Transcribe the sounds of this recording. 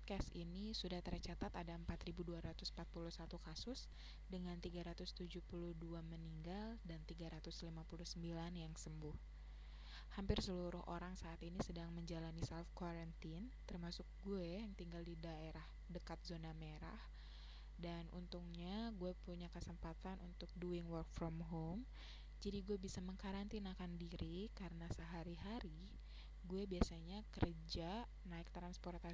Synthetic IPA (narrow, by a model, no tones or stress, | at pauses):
pɔt̪̚kɛst̪inisudaht̪ərt͡ʃat̪at̪adaəmpat̪ribuduaɾat̪ʊsm̩pat̪̚puluhsat̪ukasʊs | dəŋant̪iɡaɾat̪ʊst̪ud͡ʒuhpuluhduaməniŋɡaldant̪iɡaɾat̪ʊslimapuluhsəmbilanjaŋsəmbʊh | hampɪrsəluɾʊhʔoɾaŋsaːt̪inisədaŋməɲd͡ʒalanisɛlfkwaɾant̪int̪ərmasʊk̚ɡuɛjaŋt̪iŋɡaldidaeɾah | dəkat̪̚zonameɾa̰h | danʔṵnt̪uŋɲaɡuɛpuɲakəsəmpat̪anʔṵnt̪ʊk̚duɪŋwərk̚fɾɔmɦom | d͡ʒadiɡuɛbisaməŋkaɾant̪inakandiɾʔikaɾənasəɦaɾiɦaɾi | ɡuɛbiasaɲakərd͡ʒa | naɪk̚t̪ɾansport̪a